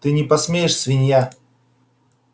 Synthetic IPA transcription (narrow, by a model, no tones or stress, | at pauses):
t̪ɨnʲɪpɐsmʲejɪʂsvʲɪnʲja